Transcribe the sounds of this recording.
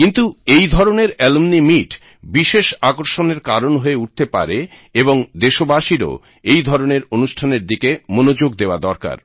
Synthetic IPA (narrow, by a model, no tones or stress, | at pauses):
kint̪uejd̪ʱɔɾoneɾɛlmnimiʈ | biʃeʃakoɾʃoneɾkaɾonɦoeuʈ̚t̪epa̰ɾe | eboŋd̪eʃobaʃiɾo̰ | ejd̪ʱɔɾoneɾonuʃʈʰaneɾd̪ikemonod͡ʑoɡd̪eoad̪ɔɾka̰ɾ